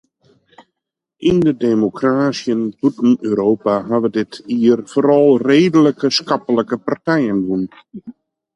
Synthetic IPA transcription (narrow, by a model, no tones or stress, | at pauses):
ʔindədeːmokraːsjənputn̩øːɾoːpaɦaʋədɪtʰiərfoɾɑlˠreːdələkəskɑpələkəpartɛjəndun